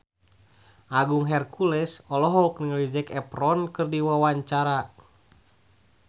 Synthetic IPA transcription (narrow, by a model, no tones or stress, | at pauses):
ʔaɡuŋɦɛrkulɛsɔlɔɦɔuk̚nəŋəlid͡ʒɛkɛprɔnkɨrdiwawaɲt͡ʃaɾa